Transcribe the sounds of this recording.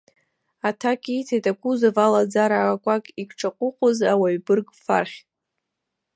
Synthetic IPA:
atʰakʼitʰajtʼakʷuzavalad͡zaɾaːkʷʼakʼikʷʰʈ͡ʂʰaqʷʼʊqʷʼʊzawaɥbɨrɡʼfa̰rχʲtʼ

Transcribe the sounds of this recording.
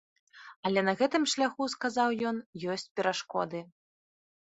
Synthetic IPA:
ɐlʲɛnɐɣɛt̪ɨmʂlʲaxuskazawjɔnjɔsʲt͡sʲpʲɛɾaʂkɔd̪ɨ

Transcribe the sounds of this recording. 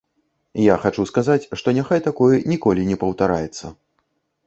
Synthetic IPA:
jaxat͡ʂuskazat͡sʲʂt̪ɔnʲaxajt̪akɔjɛnʲikɔlʲinʲɛpɐwt̪aɾajɛt̪sːɐ̰

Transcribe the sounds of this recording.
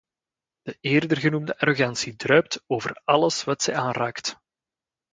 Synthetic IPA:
d̥əʔeːrdərɣənumdəʔaɾoɣɑnsidrœɥp̚toːvərɑləsʋɑtsɛjaːnraːkt

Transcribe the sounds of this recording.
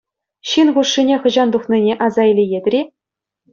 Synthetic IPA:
ɕinχuʂːinʲeχɤ̆ʑɑnd̪uχnʲinʲeʔɑzɑilʲejed̪ʲrʲi

